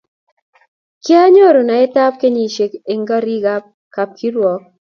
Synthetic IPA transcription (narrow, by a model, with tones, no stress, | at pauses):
ke˦a˦ɲo˦ɾo˨na˨e˦ta˦p̚ke˦ɲi˨ʃe˨ke˨ŋɡa˦ɾi˦ɡa˦p̚ | ka˨p̚kʰi˦ɾwɔ˨k̚